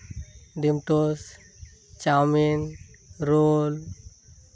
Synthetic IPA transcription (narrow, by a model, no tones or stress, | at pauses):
ɖimʈos | t͡ʃawminɾol